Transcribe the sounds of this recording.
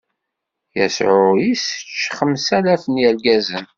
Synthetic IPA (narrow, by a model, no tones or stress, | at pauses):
jæ̰sʕʊjisət͡ʃːχəmsælæfənjælɡæzən